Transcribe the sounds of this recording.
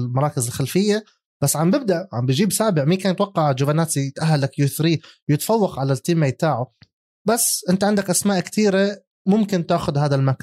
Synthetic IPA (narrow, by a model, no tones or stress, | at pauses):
mɑɾˤɑːkɪzɪlxalfɪjːa | b̥asːʕambɪb̚d̪aʔʕa̰mbɪd͡ʒiːbsaːbɪʕmiːkaːnt̪wɑqːɑʕd͡ʒʊbanaːt̪it̪ʔaɦːalakjʊθɾiːwjɪt̪fɑwːɑqʕalat̪ːiːmːajɪt̪aːʕʊ | basːʔɪnt̪aʕɪnd̪akʔasmaːʔkt̪iːɾa | mʊmkɪnt̪aːxʊd̪ɦaːðalmaka